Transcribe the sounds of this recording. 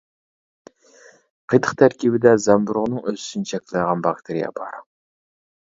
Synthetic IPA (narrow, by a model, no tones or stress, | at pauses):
qʰəjt̪ʰəχt̪ʰæɾkʲʰibɪd̪ɛzɛmbuɾʁnɨŋøzysynt͡ʃʰɛkʲlˠɨʁɑnbɑk̚t̪ʰeɾijɑ̰bɑɾ